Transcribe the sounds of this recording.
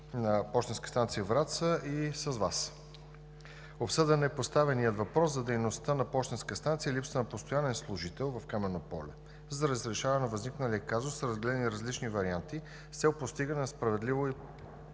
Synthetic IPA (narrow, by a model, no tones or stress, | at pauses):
nɐpɔʃt̪ɛnskə̥st̪ant̪sijəvɾat̪səisəzvas | opsɤd̪ɛnɛpost̪avɛnijət̪vɐpɾɔszɐd̪ɛjnost̪ənɐpɔʃt̪ɛnskəst̪ant̪sijəlipsənɐpost̪ojanɛnslˠʊʒit̪ɛlˠvɐfkamɛnopɔlɛ | zɐɾəzɾɛʃavnɐvəzniknəliəkazʊsːɾəzɡɛlɛd̪ɛniɾɐzlit͡ʃnivɐɾiant̪i | fsɛʊpost̪iɡənɛnɐspɾɐvɛd̪livoi